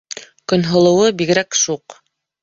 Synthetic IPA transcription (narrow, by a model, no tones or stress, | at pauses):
kɵ̆nɦŏlˠɤ̆wɤbiɣ̆ɾækʃuq